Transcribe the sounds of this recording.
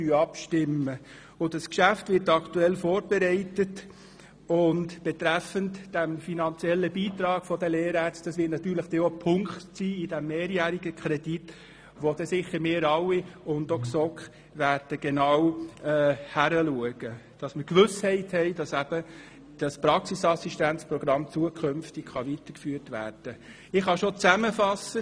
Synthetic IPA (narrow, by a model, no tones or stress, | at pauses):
yɑpʃtɪmə | ʊdɑskʃæftʋɪɾtɑktuɛlfoːɾb̥ɛɾɛɪtət | ʊntb̥ɛtɾæfəntd̥æmfinɑnt͡siɛlːəbiːt̪ɾɑːɡ̥fɔdəleːɾæɾt͡st̚d̥ɑsʋɪːtnɑt̪yːɾləχd̥ɛopʰʊŋktsiːɪd̥æmːeːɾjæːɾiɡəkχɾɛdit | ʋod̥ɛsɪχːəɾmɪːɾɑwiʊndoksɔk | ʋæːɾd̥əɡ̥enɑwɛːhæɾəluəɡ̥əd̥ɑsməɾkʋʏshɛɪthɛɪd̥ɑsæb̥ə | d̥ɑspɾɑksisɑsiʃtænt͡spɾɔɡ̥ɾɑmt͡suəkʰχønftɪɡχɑʋit̪əkfyːrtʋæ̰ːrd̥ə | ɪχhɑʃot͡sæməfɑsːə